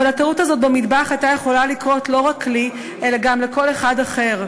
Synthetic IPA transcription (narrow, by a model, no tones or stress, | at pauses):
alat̪autazo̞t̚bemid̪baχajt̪aje̞χo̞lalikʁo̞tlo̞ʁakːli | ʔelaɡamleko̞le̞χadaχe̞ʁ